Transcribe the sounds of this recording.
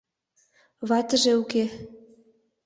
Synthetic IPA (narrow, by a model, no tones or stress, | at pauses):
βɑt̪ə̆ʒĕuke